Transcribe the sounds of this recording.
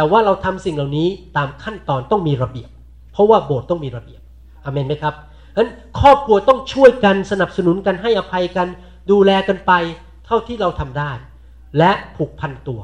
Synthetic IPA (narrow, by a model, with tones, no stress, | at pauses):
t̪ɛː˨˩waː˥˩ɾa˧wt̪ʰa˧msi˨˩ŋla˨˩wniː˦˥t̪aː˧mkʰa˥˩nt̪ɔː˧nt̪ɔ˥˩ŋmiː˧ɾa˧bi˨˩əp̚ʰː | ɾɔ˦˥waː˥˩boː˨˩t̪̚t̪ːɔ˥˩ŋmiː˧ɾa˧bi˨˩əp̚ | ʔa˧˩meː˧nma˦˥jkʰa˦˥p̚ | ha˦˥n | kʰɔː˥˩p̚kʰu˧ɐt̪ɔ˥˩ŋt͡ɕʰu˥˩əjka˧nsa˧na˨˩p̚sa˧nu˩˦nka˧nɦa˥˩jʔa˧pʰa˧jka˧n | duː˧lɛː˧ka˧npa˧j | t̪ʰa˥˩wt̪ʰiː˥˩ɾa˧wt̪ʰa˧mdaː˥˩j | lɛ˦˥ʔpʰuː˨˩k̚pʰa˧nt̪u˧ɐ